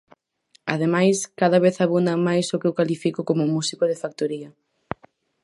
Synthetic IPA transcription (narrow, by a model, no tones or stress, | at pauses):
aðemajskaðɐβ̞eθaβund̪ɐmajsʊkewkalifikokomʊmusikoðɪfak̚t̪oɾiɐ